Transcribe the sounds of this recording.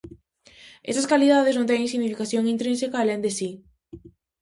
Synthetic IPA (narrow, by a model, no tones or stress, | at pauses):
ʔḛst̪askaliðaðɪznõnt̪ɛŋ̃ŋsiɣnifikaθjoŋint̪ɾĩnsekaːlẽnd̪esi